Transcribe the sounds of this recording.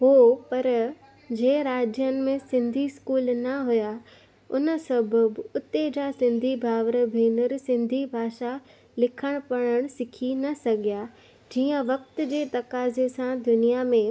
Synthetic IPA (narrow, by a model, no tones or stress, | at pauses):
ɦoːpɐɾ | d͡ʑeːɾaːd͡ʑjənɪ̆mẽsɪ̃nd̪ʱiskuːlnɐɦuja | ʊnəsɐbʱʊbʊt̪ed͡ʑasɪ̃nd̪ʱibʱaːʋɾəbʱeːnəɾsɪ̃nd̪ʱibʱaːʃa | lɪkʰəɽ̃pɐɽ̃əɽ̃sɪkʰinɐsɐɡija | d͡ʑiːə̃ʋɐk̚t̪ʊ̆d͡ʑeːt̪ɐkaːzesãd̪ʊnijamẽ